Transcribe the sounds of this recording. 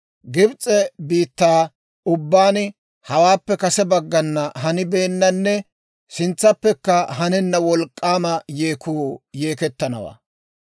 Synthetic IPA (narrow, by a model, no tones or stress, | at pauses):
ɡɪbt͡sʼːɛbiːt̪ːaː | ʊbːaːn | hɐwaːpːɛkɐsɛbɐɡːɐnːɐɦɐnɪbeːnːɐnːɛ | sɪnt͡sːɐpːɛkːɐɦɐnɛnːɐwɔlkʼːaːmɐjeːkuːjeːkɛt̪ːɐnɐ̰wa̰ː